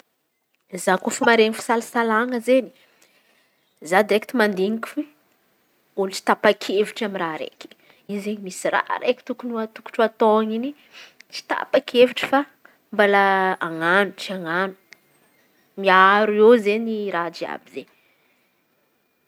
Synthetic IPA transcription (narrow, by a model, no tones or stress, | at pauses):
zakufumaɾeŋifi̥salasalaŋəzeni̥ | zad̪ɾekit̪imand̪iŋiku̥fi | ulit͡si̥t̪apakʰeviʈ͡ʂamiraɾḛkʲi̥ | izeɲimisira̰ɾekʲi̥t̪ukunuat̪uku̥ʈ͡ʂuat̪oŋini | t͡ʃi̥t̪a̰pakʲʰeviʈ͡ʂə̥fa | mbalaaŋanuʈ͡ʂiaŋanu̥ | miaɾuewzeniɾad͡ʒia̰bize